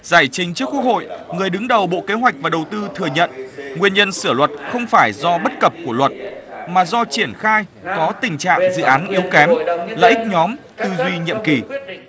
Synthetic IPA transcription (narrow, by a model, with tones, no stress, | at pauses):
zaː˧˩jt͡ɕï˨˦ŋ̟t͡ɕɨ˦˥kwk̚ho̰˧˨jŋɨ˨˩əjɗɨ˨˦ŋɗə˨˩wɓo̰˧˨ke˨˦ɦwa˨˩jk̚vaː˨˩ɗə˨˩wt̪ɨ˧t̪ʰɨ˨˩əɲə̰˧˨nŋwi˧˩ənɲə˧nsɨ˧˩əlwə˨˩t̚xə˧wŋ͡mfaː˧˩jzɔ˧ɓə˦˥t̚kə˨˩p̚ku˧˩əlwə˨˩t̚maː˨˩zɔ˧t͡ɕi˧˩ənxaː˧jkɔ˨˦t̪ï˨˩ŋ̟t͡ɕa̰ː˧˨ŋzɨ̰˧˨ʔaː˨˦nʔi˨˦wkɛ˨˦mla̰ː˧ʔï˦˥k̚ɲɔ˨˦m | t̪ɨ˧zwi˧ɲḭ˧˨əmki˨˩